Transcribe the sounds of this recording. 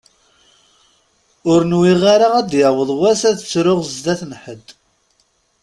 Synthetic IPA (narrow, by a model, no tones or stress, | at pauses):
ʊɾnwiʁaɾaʁæd̪jəwəðˤwæsæðət͡sːɾʊʁzd̪æθnħəd̪